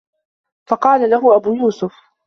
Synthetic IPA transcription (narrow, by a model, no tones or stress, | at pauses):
fɑqɑːlalaɦʊʔabuːjuːsʊf